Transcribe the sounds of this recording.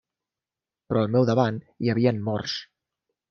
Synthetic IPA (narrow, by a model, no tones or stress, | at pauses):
pɾɔəlˠmɛwðəβan | iəβ̞iənmɔrs